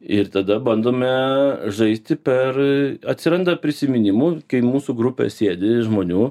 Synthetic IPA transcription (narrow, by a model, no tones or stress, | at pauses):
ɪɾt̪ɐd̪ɐbɐnd̪oːmʲɛʒɐɪsʲt̪ʲɪpʲɛrɐt̪ʲsʲɪɾɐnd̪ɐpʲɾʲɪsʲɪmʲɪnʲɪmuːkɐɪmuːsuɡɾʊpʲɛ̰sʲeːd̪ʲɪʒmoːnʲuː